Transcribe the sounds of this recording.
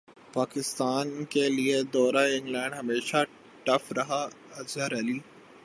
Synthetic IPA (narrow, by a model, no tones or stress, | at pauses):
paːkɪst̪aːnkelied̪ɔːɾaɪ̃ŋɡlɛ̃ːɳɖɦɐmeːʃa | ʈɐfɾɐɦa | ɐd͡ʒəɾɐliː